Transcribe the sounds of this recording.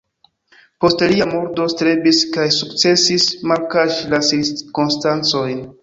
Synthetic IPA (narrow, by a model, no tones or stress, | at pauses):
po̞stliamo̞ɾdo̞stɾe̞biskajsukt͡se̞sismalkaʃlasiɾkonstant͡so̞jn